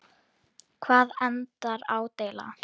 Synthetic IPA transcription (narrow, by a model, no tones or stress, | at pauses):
kʰvaːðɛnt̪aɾaːwt̪ejla̰